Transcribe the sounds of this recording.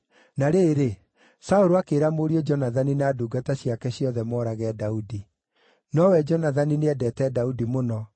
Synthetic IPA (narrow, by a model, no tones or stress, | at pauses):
naɾeːɾe | saoɾoakeːɾamoɾiɔd͡ʒɔnaðaninaːduːɡataɕiakɛɕjɔðɛmɔːɾaɣɛːdaudi | nɔwɛd͡ʒɔnaðanineɛdɛtɛdaudimonɔ